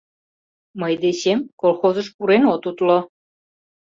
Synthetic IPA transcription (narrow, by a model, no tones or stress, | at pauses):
məjd̪eɕemkolxozəʃpuɾenot̪ut̪lo